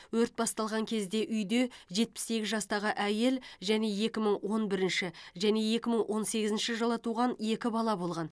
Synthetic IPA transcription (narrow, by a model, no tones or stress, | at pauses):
wɵɾt̪̚bɑst̪ɑlˠʁɑŋkʲʰe̞zd̪e̞ʔʏjd̪e̞ʒe̞t̪̚pɪ̥sːe̞ɡʲɪzʒɑst̪ɑʁəʔæje̞lʒæne̞je̞kʲɪməɴwo̞nbɪɾɪnʃɪʒæne̞je̞kʲɪməɴwʔo̞nse̞ɡʲɪzɪnʃɪʒəlˠət̪ʰuʁɑne̞kʲɪbɑlˠɑbo̞lˠʁɑn